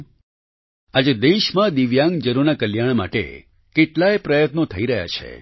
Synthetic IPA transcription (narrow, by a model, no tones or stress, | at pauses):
ad͡ʒed̪eʃmãd̪iʋjãŋɡd͡ʒəɾuɾnakəljaɳ̃ma̰ʈḛ | keʈlaepɾəjət̪not̪ʰəiɾəɦja̰t͡ʃʰḛ